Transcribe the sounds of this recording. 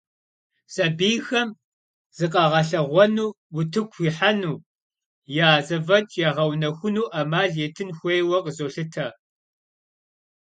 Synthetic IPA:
sʼɐbiːxɐm | z̥ɨqʼɑʁɐɬɐʁʷɔnuː | wʊtʰɨkʷxʷiːħanuː | jaːzɐvɐt͡ʃʼjaʁɐwnɐxʷʊnuːʔɐmaːɮjetʰɨnxʷejwɐqʼəzoːɬɨtʰɐ

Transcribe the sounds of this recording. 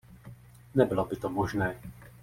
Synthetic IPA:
nɛbɪlobɪt̪omoʒnɛː

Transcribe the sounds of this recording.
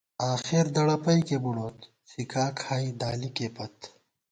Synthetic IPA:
aːxeɾd̪ɐɽɐpɐjkebuɽoːt̪ | sikaːkʰaːjd̪aːlikepɐt̪

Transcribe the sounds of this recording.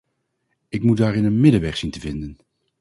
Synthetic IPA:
ɪkmut̚daːɾɪnənmɪdəʋɛχsintəvɪndən

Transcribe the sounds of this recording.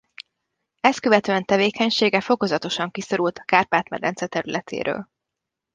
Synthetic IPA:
ɛskøvɛt̪øɛnt̪ɛveːkɛɲʃeːɡɛfo̞ko̞zɒt̪o̞ʃɒŋkiso̞ɾult̪ɒ̥kaːrpaːt̪mɛ̰d̪ɛ̰nt̪sɛt̪ɛɾylɛt̪ʰḛːɾø̰ːl

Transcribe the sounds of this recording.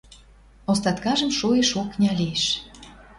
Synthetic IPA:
ost̪ɑt̪kɑʒə̆mʃueʃuknʲɑlieʃ

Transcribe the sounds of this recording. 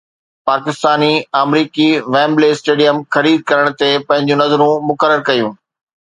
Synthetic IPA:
paːkɪst̪aːniaːmɾiːkiʋɛ̃ːmbleːsʈeːɖijəmxɐɾiːd̪̚kɐɾəɽ̃̆t̪epɐ̃ɦɪ̃ɲd͡ʑũnɐzɾũmʊkəɾəɾkɐjũː

